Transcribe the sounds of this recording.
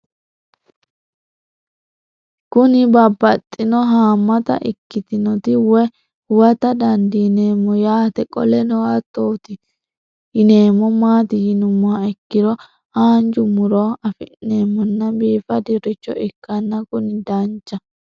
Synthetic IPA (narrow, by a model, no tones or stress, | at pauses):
kʊnɪbɐbːɐt̪ʼːɪnɔɦaːmːɐt̪ɐ̰ʔɪ̰kːɪt̪ɪnɔt̪ɪwɛ | wɐt̪ɐd̪ɐnd̪ɪne̞ːmːɔjaːt̪ɛkʼɔ̰lɛnɔwat̪ːoːt̪ɪ | jɪne̞ːmːɔmaːt̪ɪjɪnʊmːʊaɪkːɪdɔ | aːnd͡ʒʊmʊɾɔɐfɪʔnːeːmːɔnːɐbiːfɐd̪ɪɾɪt͡ʃːɔ̰ʔɪkːɐnːɐkʊnɪd̪ɐnt͡ʃːɐ